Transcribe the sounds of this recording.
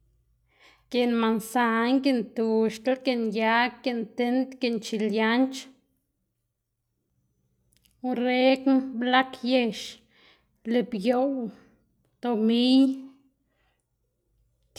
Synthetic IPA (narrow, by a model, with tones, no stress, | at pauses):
ke˨nma˨nsa˨ŋɡe˦˨nt̪u˨ʃt̪a˦lke˧˨nja˧˦ke˧˨nt̪e˧˦nt̪ke˧nt͡ʃi˧˨lja˦nt͡ʃ | u˧ɾe˦knbla˦kje˧ʃ | le˧˨bjo˨w | t̪o˧mi˦j